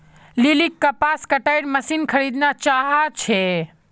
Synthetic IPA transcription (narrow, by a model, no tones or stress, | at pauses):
lilikːəpaskəʈajɾməsinkʰəɾid̪nat͡ʃaɦat͡ʃʰɛ